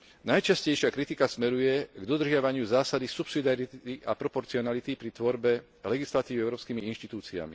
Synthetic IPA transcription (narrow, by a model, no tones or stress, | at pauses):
najt͡ʃascɛjʃɪakɾit̪ikasmɛɾujɛɡd̪ɔd̪r̩ʒɪaʋaɲɪuzaːsad̪isupsid̪ɪaɾit̪iʔapɾɔpɔɾt͡siɔnalit̪ipɾit̪ʋɔɾbɛ | lɛɡislat̪iːʋiɛʊɾɔːpskiːmiinʃt̪it̪uːt͡sia̰mḭ